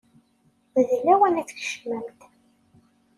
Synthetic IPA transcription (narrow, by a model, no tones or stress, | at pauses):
ðlæwənæt͡sːçə̥ʃməmt̪